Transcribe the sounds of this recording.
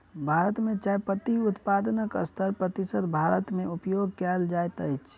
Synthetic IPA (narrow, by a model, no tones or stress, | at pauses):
bʱaɾət̪mẽt͡ʃajpət̪iut̪pad̪ənəkə̰st̪ʰəɾpɾət̪isəd̪bʱaɾət̪meupjoɡ̚kɛld͡ʒajt̪əjt͡ʃʰ